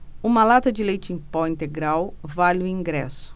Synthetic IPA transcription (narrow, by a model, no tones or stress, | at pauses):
ũmɐlat̪ɐd͡ʒɪlejt͡ʃẽpɔĩnt̪eɡɾawvalɪʊĩŋɡɾɛ̰sʊ̥